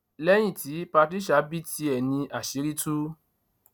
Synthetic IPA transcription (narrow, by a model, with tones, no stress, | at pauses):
lɛ˦j̃ĩ˦˨ti˨˦pa˧ti˦ʃa˨˦bi˦ti˧ɛ˨nĩ˧ʔa˨ʃe˨˦ɾi˦tu˦